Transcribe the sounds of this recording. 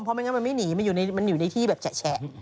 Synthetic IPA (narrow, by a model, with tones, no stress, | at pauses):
mpʰɔ˧ma˧nŋa˦˥ma˧nma˥˩jniː˩˦ma˧njuː˨˩na˧jma˧njuː˨˩na˧jt̪ʰiː˥˩bɛː˨˩p̚t͡ɕa˨˩t͡ɕʰɛ˦˥ʔ